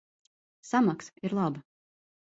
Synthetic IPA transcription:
samaksiɾlˠaba

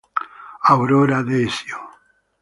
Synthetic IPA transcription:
awɾoɾaðesjo

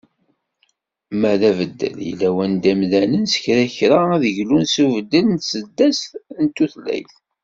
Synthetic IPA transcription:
mæðævəd̪ːə̰ljə̰lːæwænd̪æmðænənsə̥çɾæçɾaæðəʝlunsuvəd̪ːəlnt̪səd̪ːæsθnt̪ːuθlæ̰jθ

